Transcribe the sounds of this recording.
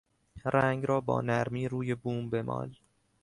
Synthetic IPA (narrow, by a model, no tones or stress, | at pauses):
ɾæŋɡɾɒːbɒ̰ːnæɾmiːɾuːjebuːmbe̞mʔɒ̰ːl